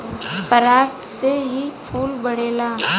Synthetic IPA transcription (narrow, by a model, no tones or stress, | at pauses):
pəɾaːʈ | seɦipʰuːlbəɽeːlaː